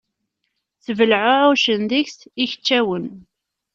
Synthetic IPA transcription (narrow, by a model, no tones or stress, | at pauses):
θəvəlʕʊʕʊʃənðiçsiçə̥t͡ʃːæwən